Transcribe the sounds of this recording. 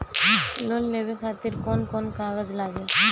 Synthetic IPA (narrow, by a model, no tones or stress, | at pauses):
lolnebekʰat̪iɾkɔnkɔnkaɡəd͡ʒlaɡel